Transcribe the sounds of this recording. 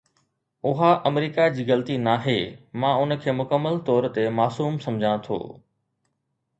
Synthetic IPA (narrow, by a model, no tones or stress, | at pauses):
ʊɦaʔɐmɾiːkad͡ʑiːɣɐlt̪inaːɦeːmãːʊnə̆kʰeːmʊkəmːəlt̪ɔːɾt̪emaːsuːmsɐmd͡ʑʱãt̪ʰo̰ː